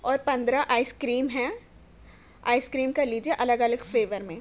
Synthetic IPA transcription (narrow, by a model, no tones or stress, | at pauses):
ɔːɾpɐ̃nd̪ɾaʔaːɪskɾiːmɦɛ̃ | a̰ːɪskɾiːmkɐɾliːd͡ʒieʔɐləɡɐləɡfleːʋəɾmẽː